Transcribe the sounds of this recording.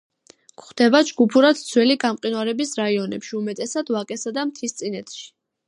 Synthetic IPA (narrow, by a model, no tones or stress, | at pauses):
kχd̪̥ɛbad͡ʒɡupʰuɾad̪̥̚d̪sʰwɛliɡamqʼinwaɾɛbisɾaiɔnɛpʃiumɛt̪ʼɛsad̪̥vakʼɛsad̪amt̪ʰist̪sʼinɛt̪ʰʃi̥